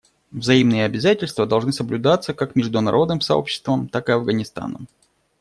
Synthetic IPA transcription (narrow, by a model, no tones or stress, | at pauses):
vzɐimnɨjəɐbʲɪzatʲɪlʲst̪vəd̪ɐlˠʐnɨsəblʲʊd̪at̪sːəkakmʲɪʐd̪ʊnɐ̰ɾʔo̞d̪nɨmsɐo̞̰pɕːɪ̥st̪vəmt̪akɨɐvɡənʲɪst̪a̰nə̰m